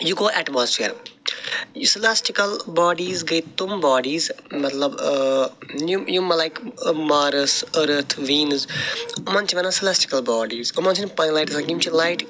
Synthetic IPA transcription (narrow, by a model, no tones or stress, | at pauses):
juɡoːʔɛʈmɔːsfiɾ | sɪlasʈɪkɐlbɔːɖiːzɡɐjt̪umbɔːɖiːzmɐt̪lɐb | jujumlaɪkmaːɾəsəɾət̪ʰʋĩːnzumɐ̃nt͡ʃʰiʋɐnasɪlɛsʈɪ̥kɐlbɔːɖiːzɐmɐ̃nt͡ʃʰinpɐnilaɪʈsãkĩmt͡ʃʰilaɪʈ